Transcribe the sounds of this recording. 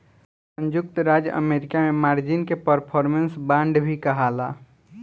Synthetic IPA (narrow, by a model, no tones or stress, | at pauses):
sə̃nd͡ʒʊk̚t̪ɾad͡ʒʔə̰meɾɪkamemaːɾd͡ʒinkepəɾpʰɔɾmənsbãːɳɖbʱikəɦala